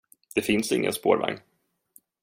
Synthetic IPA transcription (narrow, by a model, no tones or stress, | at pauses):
d̪̥ɛfɪnsɪŋːə̰nspoːɾva̰ŋː